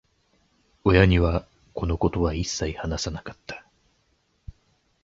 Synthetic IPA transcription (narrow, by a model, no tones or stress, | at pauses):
o̞jaɲ̟iβa | ko̞no̞ko̞t̪o̞βaisːaihanasanakḁt̪ʰːḁ